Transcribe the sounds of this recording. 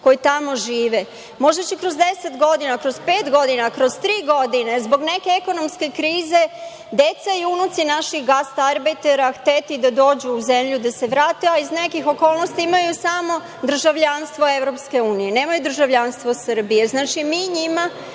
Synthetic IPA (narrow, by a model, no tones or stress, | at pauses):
ko̞jit̪amo̞ʒiːʋe | mo̞ʒet͡ɕekɾo̞zd̪e̞set̪ɡo̞d̪inakɾo̞zpeːt̪ɡo̞d̪inakɾo̞zt̪ɾiːɡo̞d̪inezbo̞ɡne̞ke̞eko̞no̞mske̞kɾiːze̞ | d̪e̞t̪saiunut̪sinaʃixɡast̪aɾbit̪eɾaxt̪et̪id̪ad̪o̞ːd͡ʑuːze̞mʎud̪ase̞ʋɾaːt̪eaizne̞kixo̞ko̞ːlˠnost̪iimajusamo̞ | d̪ɾr̩ʒaʋʎanst̪ʋo̞e̞vɾo̞pske̞uːnije̞ne̞ːmajud̪ɾ̩ʒaʋʎanst̪ʋo̞sr̩bije̞znaːt͡ʃimiɲima